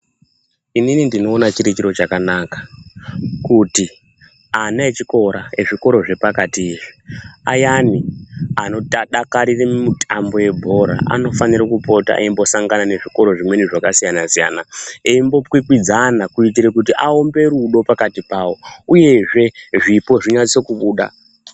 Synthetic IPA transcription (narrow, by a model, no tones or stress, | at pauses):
ininindino̞ːnat͡ʃiɾit͡ʃiɾo̞t͡ʃakanakḁ | kuti | anaet͡ʃiko̞ɾae̞ʐiko̞ɾo̞ʐe̞pakatieʐi̥a̰janiano̞taɗakaɾiremutʰambo̞je̞bʱo̞ɾa̰a̰no̞faniɾakupo̞ta̰ʔḛimbo̞saŋɡanane̞ʐiko̞ɾo̞ʐimwe̞niʐakasijanasija̰naeimbo̞pwikwid͡zanakuit̬iɾek̬ut̬iʔao̞mbe̞ɾuɗo̞pakatipaːwo̞uje̞ʐe̞ʐipo̞ʐiɲasokuɓuːɗa̰